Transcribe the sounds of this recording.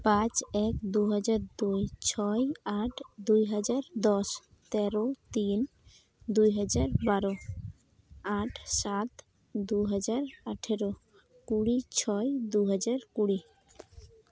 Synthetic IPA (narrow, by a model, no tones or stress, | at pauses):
pãt͡ɕɛkd̪uɦad͡ʑaɾd̪ujt͡ɕʰɔjaʈʰd̪ujɦad͡ʑaɾd̪ɔʃ | t̪ɛɾot̪in | d̪ujɦad͡ʑaɾbaɾo | aʈʰsat̪ | d̪uɦad͡ʑaɾaʈʰeɾo | kuɽit͡ɕʰɔjd̪uɦad͡ʑaɾkuɽi